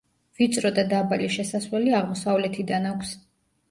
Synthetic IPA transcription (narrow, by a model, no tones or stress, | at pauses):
vit̪sʼɾɔd̪ad̪abaliʃɛsaswlɛliaʁmɔsavlɛt̪ʰid̪anakʷʰs